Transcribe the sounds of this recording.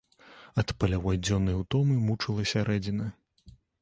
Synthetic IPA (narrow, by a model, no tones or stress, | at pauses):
ɐt̪pɐlʲawajd͡zʲɔnɐjwt̪ɔmɨmut͡ʂɨlˠɐsʲaɾɛd͡zʲinɐ